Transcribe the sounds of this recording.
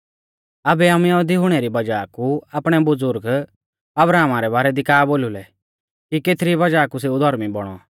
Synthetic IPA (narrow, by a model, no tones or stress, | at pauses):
ɐbɛamɛɛd̪iɦʊɽ̃ɛɾibɐd͡ʒaːkuapɽ̃ɛbʊd͡zʊɾɡ | ɐbɾaːmaɾɛbaːɾɛd̪ikaːboːlulɛ | kikeːt̪ʰɾibɐd͡ʒaːkus̬eːud̪ʱɔɾmibɔɽ̃ɔ̰